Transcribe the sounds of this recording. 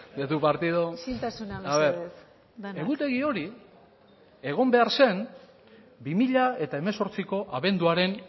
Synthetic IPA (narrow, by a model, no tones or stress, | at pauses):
et̪upaɾt̪ið̞osint̪asunaaβeɾ | eɣut̪e̞ɣio̞ɾi | e̞ɣ̞o̞mbe̞aɾse̞n | bimiʎae̞t̪ae̞me̞so̞ɾt͡siko̞ʔaβe̞nd̪uaɾe̞n